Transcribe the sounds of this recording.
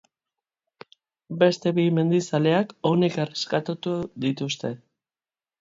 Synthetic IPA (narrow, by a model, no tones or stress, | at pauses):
be̞st̪e̞βime̞nd̪isale̞ako̞nekereskat̪ut̪uðit̪ust̪e̞